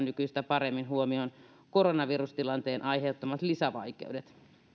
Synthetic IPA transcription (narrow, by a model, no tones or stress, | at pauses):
nnykyist̪æpɑremːinhuomion | koronɑʋirust̪ilɑnt̪eːnʔɑiheut̪ːomɑt̪lisæʋɑikḛudet̪